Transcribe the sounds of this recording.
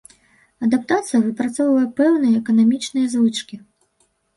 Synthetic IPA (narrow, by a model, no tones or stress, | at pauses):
ɐd̪ap̚t̪at̪sɨjɐvɨpɾat̪sɔwvɐjɛpɛwnɨjɐɛkɐnamʲit͡ʂnɨjɐzvɨt͡ʂkʲi